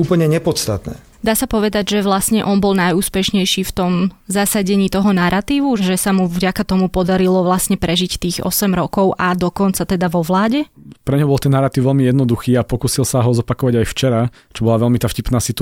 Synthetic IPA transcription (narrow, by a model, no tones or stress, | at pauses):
uːpl̩ɲɛɲɛpɔt̪st̪at̪nɛ̰ | d̪aːsapɔʋɛd̪aɟʒɛʋlasɲɛʔɔnbɔlˠnajuːspɛʃɲɛjʃiːft̪ɔmzasaɟɛɲiːt̪ɔɦɔnaɾʔat̪iːʋuʒɛsamuvɟakat̪ɔmupɔd̪aɾilɔʋlasɲɛpɾɛʒict̪iːɣɔ̰sɛmɾɔkɔʊʔad̪ɔkɔnt͡sat̪ɛd̪aʋɔʋlaːɟɛpɾɛɲɦɔbɔlˠt̪ɛnːaɾat̪iʊʋɛlmijɛd̪nɔd̪uxiːapɔkuːsilsaɦɔzɔpakɔʋaɟajft͡ʃɛɾa | t͡ʃɔbɔlaʋɛlmit̪aːfcipnaːsit̪